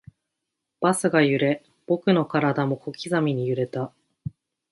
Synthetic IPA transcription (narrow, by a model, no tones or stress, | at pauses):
b̥asɨɡajɯ̟ɾe̞ | b̥o̞kɯ̟no̞kaɾad̪amo̞ko̞kʲizamʲiɲ̟ijɯ̟ɾe̞t̪a